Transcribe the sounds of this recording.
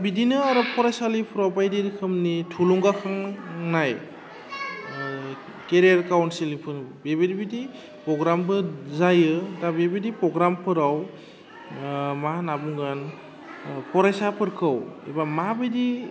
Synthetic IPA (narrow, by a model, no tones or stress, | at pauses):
bidinɯaɾɯpʰɔɾajsalipʰɯɾawpajdiɾikʰɯmnitʰulɔŋɡakʰaŋnaj | keɾijaɾkawnsilipʰɯnbebidibidi | pɾɔɡɾambɯzajɯdabebidipɾɔɡɾampʰɯɾaw | manabuŋɡan | pʰɔɾajsapʰɯɾkʰɯwḛbamabɯdi